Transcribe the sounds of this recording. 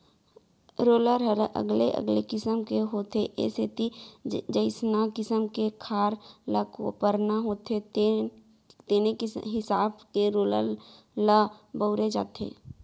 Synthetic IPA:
ɾoːləɾɦəɾə̰ɡleʔə̰ɡlekɪsəmkeɦoːt̪eʔḛset̪id͡ʒəɪsnakɪsəmkekʰaːɾlakpəɾnaɦoːt̪ʰet | t̪eːneɦɪsaːbkeɾoːlə̰ɾ | labəʊɾed͡ʒa̰ːt̪ʰḛː

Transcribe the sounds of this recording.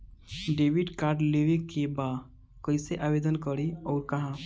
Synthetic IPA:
ɖeʋiɖkaɾɖleʋekeba | kəjseʔabed̪ənkəɾeɔːɾkəɦã

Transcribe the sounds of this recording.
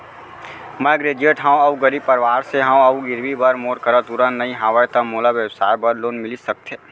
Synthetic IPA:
məɡɾeːd͡ʒeːʈɦãõɐuɡəɾiːbpəɾʋaːɾseɦãõɐuɡɪɾʋibɐɾmoːɾkəɾət̪uɾənnːəĩɦaːʋəjt̪ɐmoːlaʋjəwsa̰ːɾbɐɾloːnmɪlisɐk̚t̪ʰe

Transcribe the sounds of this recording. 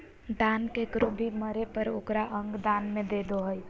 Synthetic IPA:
ɖ̪ankekɾobʱiməɾepəɾokɾaʔəŋɡd̪anmed̪ed̪oɦəj

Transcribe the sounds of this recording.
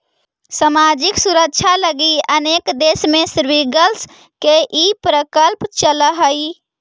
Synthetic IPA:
səmaːd͡ʒɪksuɾək̚t͡ʃʰaləɡiəneːkd̪eːsmẽsɾʋiɡəls | keʔipɾəkəlpt͡ʃələɦəi

